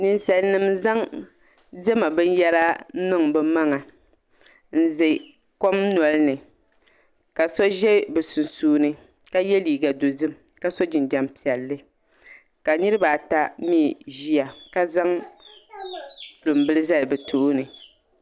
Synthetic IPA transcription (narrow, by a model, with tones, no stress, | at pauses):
nɨ˨nsa˨lnɨ˦mza˦ŋ | dɛ˦ma˨bɨ˦n˦jɛ˦la˦nɨ˦ŋbɛ˦ma˦ŋa˨ | n̩˦ze˨ | ko˦mn˨ɔ˨lɨ˦nɨ˨ | ka˨sɔ˦ʒɛ˦bɨ˨su˨nsuː˦nɨ˦ | ka˦jɛ˦liː˨ɡa˨do˨dɨ˦m | ka˦so˦d͡ʒɪ˨ndɛ˦mpi˨ɛ˨lːɨ˦ | ka˨nɨ˦ɾɨ˦ba˨ta˦miː˦˨ʒi˦a˨ka˦za˦ŋ | lʊ˨mbɨ˦lɨ˦za˦lbɛ˨tʰo˨ʔnɨ˨